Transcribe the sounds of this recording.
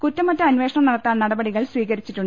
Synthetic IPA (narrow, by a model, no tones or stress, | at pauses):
kutːɐmɐtːɐɐnʋe̞ːʂɐɳɐmnɐɽɐt̪ːaːnnɐɽɐbɐɽiɣɐɭsʋiːɣɐɾit͡ɕːiʈːuɳː